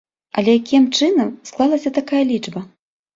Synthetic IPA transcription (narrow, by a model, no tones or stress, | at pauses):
ɐ̰lʲɛjakʲimt͡ʂɨnɐmsklˠalˠɐsʲɐt̪akajɐlʲit͡ʂbɐ